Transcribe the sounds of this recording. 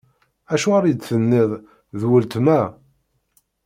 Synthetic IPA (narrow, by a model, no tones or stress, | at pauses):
æʃuaɾid̪θənːɪðˤ | ðwəlt̪mæ